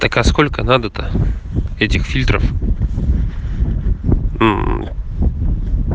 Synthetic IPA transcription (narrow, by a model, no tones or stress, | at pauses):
t̪ɐkaskolʲkənad̪ət̪ə | ɛtʲɪxfʲilʲt̪ɾə̰f